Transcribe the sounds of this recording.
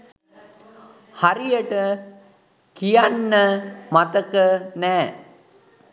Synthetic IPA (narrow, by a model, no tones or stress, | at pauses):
haɾijəʈə | kijanːəmat̪əkənɛː